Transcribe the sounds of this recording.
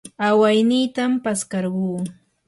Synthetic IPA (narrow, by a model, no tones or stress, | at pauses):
awajnijt̪ampaskɑɾɢuː